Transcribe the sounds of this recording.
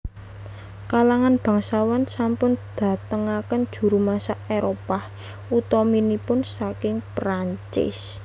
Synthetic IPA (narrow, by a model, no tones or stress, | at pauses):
kalaŋanb̥ä̤ŋsawansampʊnd̪̥ä̤t̪əŋakənd̥ʒ̥ṳɾumasaʔeɾopah | ut̪ɔminipʊnsakɪŋpɾaɲt͡ʃɪ̰s